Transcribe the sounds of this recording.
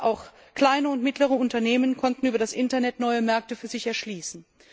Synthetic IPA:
ʔaʊx | kl̥aɪnəʊntmɪtləʁəʊntɐneːmənkʰɔntn̩yːbɐɾasʔɪntɐnɛtnɔʏəmɛɐk̚təfyːɐzɪçɛɐʃliːsn̩

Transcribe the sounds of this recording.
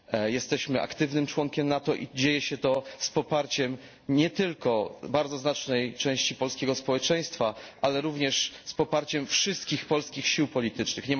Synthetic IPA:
jɛst̪ɛɕmɘʔa̰kt̪ɘvnɘmt͡ʂwɔŋkʲɛmnat̪ɔʔḭd͡ʑejɛɕɛt̪ɔspɔpaɾt͡ɕɛm | ɲɛt̪ɘlkɔbaɾd̪zɔznat͡ʂnɛjt͡ʂɛ̃w̃ɕt͡ɕipɔlskʲɛɡɔspɔwɛt͡ʂɛ̃j̃st̪faʔalɛɾuvɲɛʂspɔpaɾt͡ɕɛmfʂɘst̪kʲixpɔlskʲixɕiwpɔlʲit̪ɘt͡ʂnɘxɲɛ

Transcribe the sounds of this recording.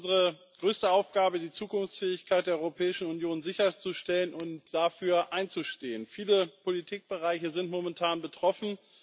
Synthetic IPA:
zəʁə | ɡ̥ʁøːstəaʊfɡ̥aːbədiːt͡suːkʊnft͡sfɛːɪçkʰaɪt̚d̥eːɐɔʏʁopʰɛːɪʃn̩ʊnjoːnzɪçɐt͡suʃtɛlənʊntd̥afyːɐʔaɪnt͡suʃteːənfiːləpʰolitʰiːk̚b̥əʁaɪçəzɪntmomɛntʰaːnbətʁ̥ɔfn̩

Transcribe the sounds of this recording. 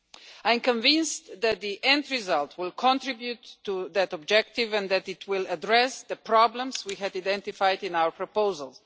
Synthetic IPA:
ãj̃mkɔ̃ɱvɪ̃nsðæt̪̚ðiʔɛ̃ndɹizalˠtʰwɪlˠkʰɔ̃ntɹibjutːuðætɔbd͡ʒɛk̚tɪvɛ̃nðætɪtʰwɪladɹɛsðəpɹɑblə̃mswiɦɛdadɛ̃nt̪ifajdɪ̃naʊə˞pʰɹɔpoʊzəlˠ

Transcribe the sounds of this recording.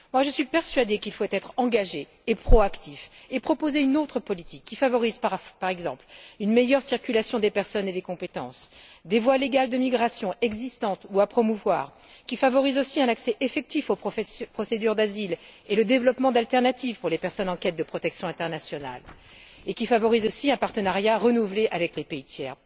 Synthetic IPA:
mwaʒəsɥipɛʁsɥad̪ekilfwɛt̪ɛt̪χɑ̃ɡaʒeː | pχɔakt̪ifepχɔpozeynot̪χəpɔlit̪ikʲːifavɔʁizppaʁɛɡzɑ̃plynmejœʁsiʁkʲylasjɔ̃d̪epɛʁsɔned̪ekɔ̃pet̪ɑ̰̃sd̪evwaleɡald̪əmiɡʁasjɔ̃ɛɡzist̪ɑ̃t̪uapχɔmuvwaːʁ | kʲifavɔʁizosiɛ̃naksɛʔefɛk̚t̪ifopχɔsed̪yʁd̪azileləd̪evlɔpmɑ̃d̪alt̪ɛʁnat̪ivpuʁlepɛʁsɔnɑ̃kʲɛt̪̚d̪əpχɔt̪ɛksjɔ̃ɛ̃t̪ɛʁnasjɔna̰l | ekʲifavɔʁizosiɛ̃paʁt̪ənaʁjaʁənuvleʔavɛklepeit̪jɛːʁ

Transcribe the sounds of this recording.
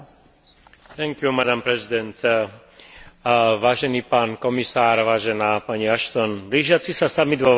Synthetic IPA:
t̪ɛŋkjumad̪ampɾɛzid̪ɛnt̪ | ʋaːʒɛniːpaːnkɔmisaːɾʋaːʒɛnaːpaɲiaʃt̪ɔnbliːʒɪat͡sisasamid̪ʋɔ

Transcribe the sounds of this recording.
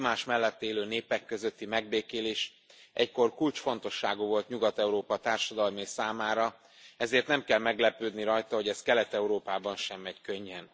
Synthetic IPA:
maːʃmɛlːɛt̪ːeːløːneːpɛkːøzøt̪ːimɛɡ̚beːkeːleːʃ | ʔɛcko̞rkult͡ʃfo̞n̪t̪o̞ʃːaːɡuːvo̞lt̪ɲuɡɒt̪ɛuɾoːpɒt̪aːrʃɒd̪ɒlmeːsaːmaːɾɒ | ɛzeːrt̪nɛmkɛlmɛɡlɛpøːd̪niɾɒjt̪ɒɦo̞ɟɛskɛlɛt̪ɛuɾoːpaːbɒnʃɛmɛckø̞ɲːɛn

